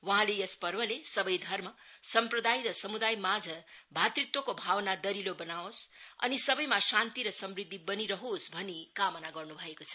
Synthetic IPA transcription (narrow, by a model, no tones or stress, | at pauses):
wʌɦãlejʌspʌrbʌlesʌbʌjd̪ʱʌrma | sʌmprʌd̪ajɾʌsʌmud̪ajmad͡zʱʌbʱat̪ɾit̪wokobʱawnad̪ʌɾilobʌnaosʌ̰nisʌbʌjmasant̪iɾʌsʌmrid̪ʱːibʌniɾʌɦosbʱʌnikamʌnaɡʌrnubʱʌekot͡sʰʌ̥